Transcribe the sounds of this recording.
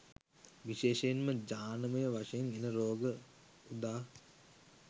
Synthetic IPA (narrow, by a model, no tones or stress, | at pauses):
ʋiʃeːʃeinməd͡ʒaːnəməjəʋaʂəjenenəɾoːɡə | ud̪aː